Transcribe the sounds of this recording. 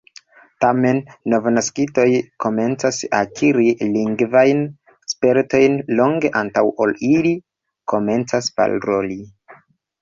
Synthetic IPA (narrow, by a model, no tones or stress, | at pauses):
tame̞nːo̞vnaskito̞jko̞me̞nt͡sasa̰kʰiɾiliŋɡvajn | spe̞ɾto̞jnlo̞ŋɡe̞ʔantawʔolili | ko̞me̞nt͡saspa̰lɾo̞li